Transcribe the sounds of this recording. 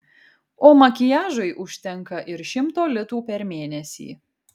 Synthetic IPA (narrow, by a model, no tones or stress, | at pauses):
oːmɐkʲɪjæːʒɐɪʔʊʃʲt̪ʲɛŋˑkɐʔɪɾʃʲɪmt̪oːlʲɪt̪uːpʲɛɾmʲeːnʲɛsʲḭː